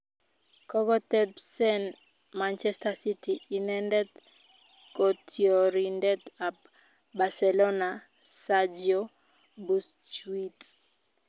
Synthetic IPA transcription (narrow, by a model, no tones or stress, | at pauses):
kɔɡɔtɛbsɛn | mant͡ʃɛstasitiːnɛndɛt̪ | kotʰjoɾindɛtap | basɛlona | sad͡ʒjo | bus | t͡ʃwit